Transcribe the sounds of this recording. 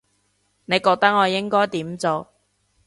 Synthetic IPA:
ne˨˧jkɔː˧k̚t̪ɐ˥k̚ŋɔː˨˧jɪ˥ŋkɔː˥jt̪iː˨˥mt͡so˨˧w

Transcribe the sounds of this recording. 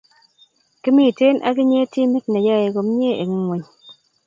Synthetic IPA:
ki˦mi˦˨te˦nʔa̰˦kɪ˦ɲe˦ti˦mi˦tna˨ja˦˨je˨ɡo˨m˦ɲe˦ʔe˨ŋi˦ŋwe˨ɲ

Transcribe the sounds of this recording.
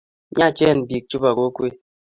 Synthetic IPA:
ɲa˦˨t͡ʃɛ˦˨n˨bi˨k̚t͡ʃu˦ba˨ɡo˦kwe˦

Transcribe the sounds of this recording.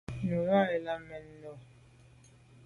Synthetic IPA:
nu˨ɣa˦ɛ˨la˦mɛ˨n̩˦nɔ˨

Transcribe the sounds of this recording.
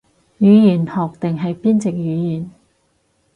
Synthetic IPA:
jyː˨˧jiː˨˩nhɔː˨˩k̚t̪ɪ˨ŋɦɐ˨jpiː˥nt͡sɪ˨k̚jyː˨˧˥jiː˨˩n

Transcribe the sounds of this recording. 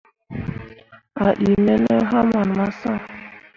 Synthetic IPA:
a˨ɗi˨mɛ˦nə˦ɦa˦ma˨n˨ma˦sa˦˨

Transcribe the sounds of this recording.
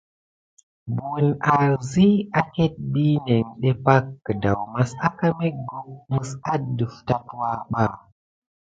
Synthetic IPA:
bu˨na˨ɾzi˦a˦ke˦t̚ɓi˦ne˨ŋɗe˦pa˦kːə˨da̰˨wma˦sa˦ka˦me˦ɡu˦˨k̚mɨ˨sa˦du˨fta˦twa˦ɓa˦

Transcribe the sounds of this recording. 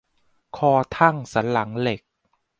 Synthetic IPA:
kʰɔː˧t̪ʰa˥˩ŋsa˩˦nla˩˦ŋle˨˩k̚

